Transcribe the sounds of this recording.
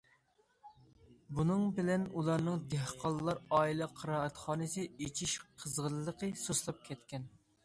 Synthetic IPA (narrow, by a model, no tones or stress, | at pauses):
bunɨŋbɪlɛnulˠɑɾnɨŋd̪ɛhqʰɑlˠlːˠɑɾɑːilˠɛqʰəɾɑːɛt̪χɑːnɨsɨet͡ʃʰiʃqʰəzʁəllˠːəqʰəsoʃlˠɑp̚kʲʰɛt̪kʲʰɛn